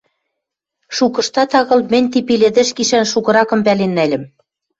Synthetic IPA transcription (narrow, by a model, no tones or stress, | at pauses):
ʃukɤ̆ʃt̪ɑt̪ɑɣɤ̆lmɘ̆nʲt̪̬ipilʲɘ̆d̪ɘ̆ʃɡiʃænʃukɤ̆ɾɑkɤ̆mpælenːælʲɘ̆m